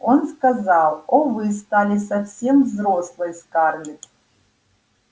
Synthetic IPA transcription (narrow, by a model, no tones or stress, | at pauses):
onskazalˠovɨst̪alʲɪsafsʲemvzroslˠɨjskarnʲɪt̪